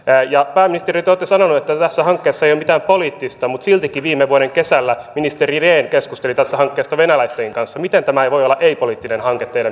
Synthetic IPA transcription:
jɑpæːminist̪erit̪ːoːt̪ːesɑnonuet̪ːæt̪æsːæhɑŋkːeːsːɑejomit̪æːmpoliːt̪ːist̪ɑmut̪silt̪ikiʋiːmːeʋuoɾeŋkesælːæminist̪erireːnkeskust̪elit̪æst̪ːæhɑŋkːeːst̪ɑʋenælæist̪eiŋkɑnsːɑmit̪ent̪æmæejʋo̞jolːɑʔeipoliːt̪ːinenhɑŋket̪ːeidæ

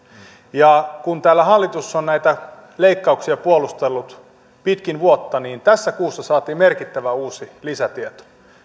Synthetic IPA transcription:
jɑkunt̪æːlːæɦɑlːit̪usːonnæit̪æ | leikːɑuksiɑpuolust̪elːut̪ | pit̪kinʋuot̪ːɑniːnt̪æsːækuːsːɑsɑːt̪iːmerkit̪ːæʋæuːsilisæt̪iet̪o̥

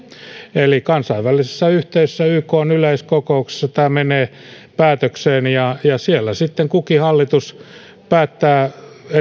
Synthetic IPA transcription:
elikɑnsɑiʋʋælːˑisesːæyht̪eisesːæyːkoːnyleiskokoukse̥sːɑt̪æːmeneː | pæːt̪økseːnjɑjɑsielːæsit̪ːeŋkukihɑlːit̪us | pæːt̪ːæːe

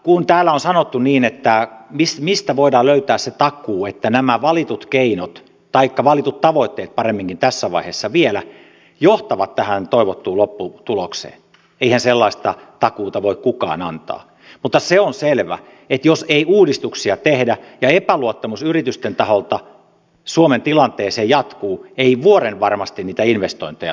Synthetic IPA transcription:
kunt̪æːlːæonsɑnot̪ːuniːnet̪ːæmismist̪æʋoidɑːløyt̪æːsset̪ɑkˑuːet̪ːænæmæʋɑlit̪ut̪keinot̪ | t̪ɑikːɑʋɑlit̪ut̪t̪ɑʋoit̪ːeːt̪̚pɑremːiŋkint̪æsːæʋɑ̰iheːsːɑʋielæ | joht̪ɑʋɑt̪tæhænt̪oiʋot̪ːuːlopːut̪uloksḛːn | eihænselːɑist̪ɑt̪ɑkuːt̪ɑʋoikkukɑ̰ːnɑ̰nt̪ɑ̰ː | mut̪ːɑseonselʋæ̰ | et̪joseiuːdist̪uksiɑt̪ehdæjɑepæluot̪ːɑmusyrit̪yst̪ent̪ɑholt̪ɑ | suoment̪ilɑnt̪eːseːjɑt̪kuːeiʋuoɾenʋɑrmɑst̪inniːt̪æinʋest̪oint̪ejɑ

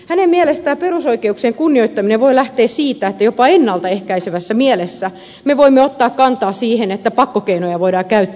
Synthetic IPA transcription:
hænemmielest̪æːperusoikeukseŋkunːioit̪ːɑmineʋoilæht̪eːssiːt̪æet̪ːæjopɑenːɑlt̪ɑehkæiseʋæsːæmielesːæ | meʋoimːeot̪ːɑːkkɑnt̪ɑːsiːhenet̪ːæpɑkːokeinojɑʋoidɑːkæyt̪ː

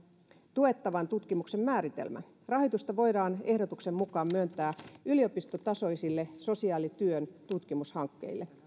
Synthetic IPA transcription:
t̪ue̞t̪ːɑʋɑnt̪ut̪kimuksemmæːɾit̪ḛlmæ̰ | rɑɦojt̪ust̪ɑʋo̞jdɑːne̞hdot̪uksemːukɑːmmyønt̪æːyliopist̪ot̪ɑso̞isilːeso̞siɑːlit̪yønt̪ut̪kimushɑŋkːe̞̰ilːe

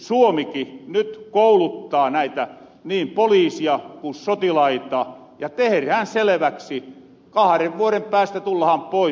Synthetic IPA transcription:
suomikinyt̪koulut̪ːɑːnæit̪æ | niːmpoliːsiɑkusot̪ilɑit̪ɑ | jɑt̪eherhænselĕʋæksi | kɑhɑreʋʋuoɾempæːst̪æt̪ulːɑhɑmpoi

